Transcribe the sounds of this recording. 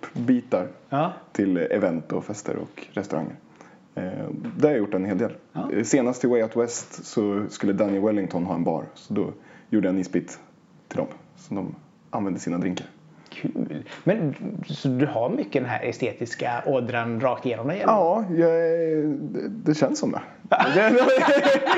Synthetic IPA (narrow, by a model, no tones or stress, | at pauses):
pːbiːt̪aɾt̪ʰɪlɛ̰vɛnt̪ɔfɛst̪ʰə̰ɾɔ̰kɾɛst̪ɵɾʔa̰ŋːə̰ɾ | d̪ɛhaɾjajʊʈːɛnheːld̪eːlseːnast̪ʰːɪlwɛjaʊt̪wɛst̪sɔskɵlːəd̪anjɛlwɛlːɪŋt̪ʰɔnɦɑːɛnbɑ̰ːɾsɔd̪ɔjuːɖəɛniːspɪt̪ʰː | ɪld̪ɔ̰msɔd̪ɔm | ʔanvɛnd̪əsiːnad̪ɾɪŋkaɾ | kʰʉːlmɛnsɔd̪ɵhaɾmʏkːəd̪ɛnɦæ̰ɾɛst̪eːt̪ɪskaʔɔd̪ɾanɾɑːkt̪jeːnɔmd̪ɛjɛɑːjɑ | ɛd̪ɛɕɛnsːɔmd̪ɛ̰ | d̪ɛɛ